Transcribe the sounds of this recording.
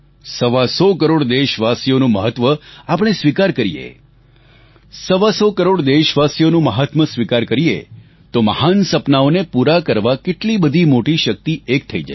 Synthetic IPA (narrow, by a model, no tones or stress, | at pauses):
səʋasɔkəɾoɽd̪eʃʋasijonũməɦət̪ʋəapəɽ̃esʋikaɾkəɾijḛ | səʋasɔkəɾoɽd̪eʃʋasijonũməɦət̪məsʋikaɾkəɾijḛ | t̪oməɦansəpnaonepuɾakəɾʋakeʈlibəd̪ʱimoʈiʃək̚t̪iek̚t̪ʰəid͡ʒa̰